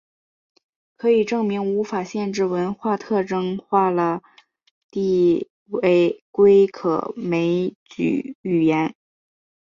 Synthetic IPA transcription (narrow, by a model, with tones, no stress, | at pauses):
kʰɤ˧˥i˨˩ʈ͡ʂɤ˥˩ŋmi˧˥ŋu˧˥fa˨˩ɕjɛ˥˧nʈ͡ʂɻ̩˥˩wə˧˥nxwa˥˧t̪ʰɤ˥˩ʈ͡ʂɤ˥ŋxwa˥˩lə˩ | t̪i˥˧ | e˥˩ɪkwe˥ɪkʰɤ̰˨˩me˧˥ɪt͡ɕy̰˨˩y˨˩jɛ˧˥n